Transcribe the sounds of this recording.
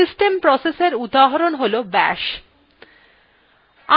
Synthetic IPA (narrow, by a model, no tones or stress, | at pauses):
isʈempɾɔseseɾud̪aɦaɾonɦolobɛ̰ʃ | a